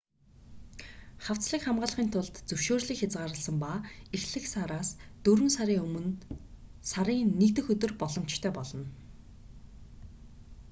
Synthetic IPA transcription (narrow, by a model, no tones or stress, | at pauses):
χaw̥t͡sɮiːkχamɢaːɮχiːnt̪ʰʊɮt̪t͡sɵwʃoːrɮiːkxʲat͡sɢaːɾə̆ɮsə̆mpaːexɮɘ̆ksaɾaːst̪ɵɾɵ̆nsaɾiːŋɵmɵ̆n | saɾiːek̚t̪ɘ̆xɵt̪ɵ̆rpɔɮɞ̆m̥t͡ɕt̪ʰœːpɔɮɞ̆n